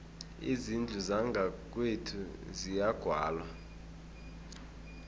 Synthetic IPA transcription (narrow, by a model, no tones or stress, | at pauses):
ḭzind͡ɮʱuzaŋɡʱak̬ʼwetʰuzijaɡ̥ʱwaːlwa